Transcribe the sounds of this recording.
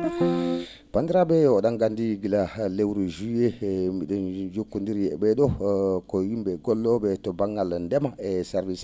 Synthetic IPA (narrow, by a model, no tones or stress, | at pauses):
pandiɾabɛɔɗaŋɡandiɡilalewɾuʒujemiɗɔnd͡ʒokːundiɾjɛbɛɗɔkɔjimbɛɡɔlːɔɓɛtɔbaŋːɡalndɛmaɛsɛɾvis